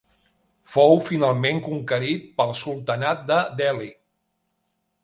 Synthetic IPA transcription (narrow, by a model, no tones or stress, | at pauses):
fowfinalˠmeŋkuŋkəɾit̪̚pəlˠsulˠt̪ənat̪̚d̪əd̪ɛli